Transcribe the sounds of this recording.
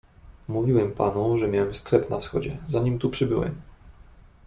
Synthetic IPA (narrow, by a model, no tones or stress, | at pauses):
muvʲiwɛmpanuʐɛmʲjawɛmsklɛpnafsxɔd͡ʑɛzaɲimt̪upʂɘbɘwɛ̰m